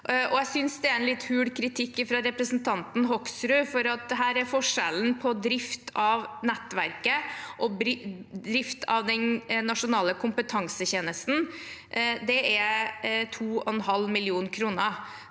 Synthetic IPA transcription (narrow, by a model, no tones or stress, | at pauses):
ʔɔæɪsʏnsd̪ɛæɾɛnlɪt̪ːhʉːɽkʰɾɪt̪ʰɪkːɪfɾɑɾɛpɾəsnt̪ʰɑnt̪n̩ɦɔksɾʉːfɔɾɑt̪̚d̪ɛɦæːɾæɾfɔʂɛlnpʰɔd̪ɾɪft̪ʰɑʋnɛt̪ːʋæɾkəʔɔbɾd̪ɾɪft̪ʰɑʋd̪ɛnnɑʂʊnɑːləkʰʊmpət̪ʰɑŋsəçeːnəst̪n̩ | d̪ɛæt̪ʰuːɔɛnɦɑlmɪlɪuːnkʰɾuːnə